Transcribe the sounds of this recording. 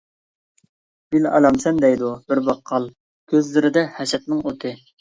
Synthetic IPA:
b̥ilɑ̰lɑmsɛnd̪ɛjd̪ubɪɾbɑqʰːɑlˠ | kʲʰøzlɪɾɪd̪ɛhɛʃɛt̪̚nɨŋot̪ʰɨ

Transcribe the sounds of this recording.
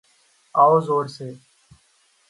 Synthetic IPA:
aːoːzoːɾseː

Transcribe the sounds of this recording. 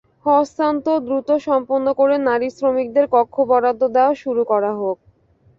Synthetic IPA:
hɔst̪ant̪od̪ɾut̪oʃɔmponːokoɾenaɾisɾomik̚d̪eɾkɔkʰːobɔɾad̪ʱːod̪eoʃuɾukɔɾaɦok̚

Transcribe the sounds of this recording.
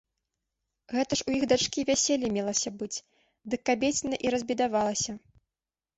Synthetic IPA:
ɣɛt̪ɐʂujiɣd̪at͡ʂkʲivʲasʲelʲːimʲɛlˠɐsʲɐbɨt͡sʲ | d̪ɨkːabʲet͡sʲnɐʔiɾɐzʲbʲid̪avalˠɐsʲɐ

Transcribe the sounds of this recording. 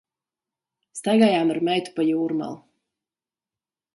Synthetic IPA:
st̪ajɡaːjaːmaɾmɛjt̪u̥pajuːɾma̰lˠ

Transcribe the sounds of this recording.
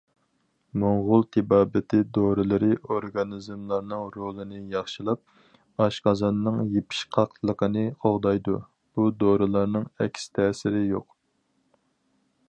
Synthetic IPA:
moɴʁʊlˠt̪ʰɪbɑːbɪt̪ʰɪd̪oɾɨlˠɨɾɨʔoɾɡɑnɨzmlˠɑɾnɨŋɾolˠɨnɨjɑχʃɨlˠɑp̚ | ɑʃqɑzɑnːɨŋjepʰi̥ʃqʰɑqʰlˠəqʰənɨqʰoʁd̪ɑjd̪ṵ | b̥ud̪oɾɨlˠɑɾnɨŋɛ̰kʲʰst̪ʰɛːsɪɾɪjoq

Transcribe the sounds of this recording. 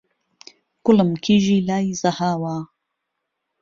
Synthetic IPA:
kʊləmkʰiːʒiːlaːjzɐhaːwaː

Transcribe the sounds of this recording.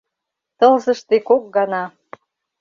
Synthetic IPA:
t̪ɤ̆lzɤ̆ʃt̪ekok̚ɡɑnɑ

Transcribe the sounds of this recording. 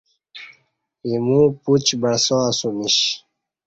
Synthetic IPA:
imũput͡ɕbəɽsoasumiɕ

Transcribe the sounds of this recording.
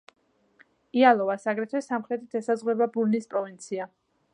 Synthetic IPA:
ialˠɔvasaɡɾɛt̪ʰwɛsamχɾɛt̪ʰit̪ʰɛsazʁwɛbabuɾnispʼɾɔvint̪sʰia

